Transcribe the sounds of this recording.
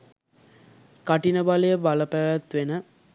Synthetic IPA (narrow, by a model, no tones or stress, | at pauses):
kaʈinəbalejəbaləpæʋæt̪ʋenə